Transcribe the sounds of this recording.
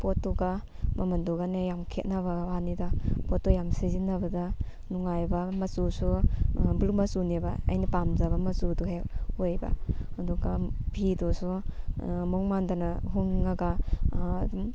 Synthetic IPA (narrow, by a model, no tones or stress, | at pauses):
pɔtːuɡa | mamandɔɡanejamkʰet̚nabawanidapɔtːɔjamsezinːabada | nuŋajbamɐsusubɾumasunebaa̰jnipamzabamɐsuduɦeojba̰ɐduɡabʱidɔsu | mɔŋmandanaɦuŋnaɡa | um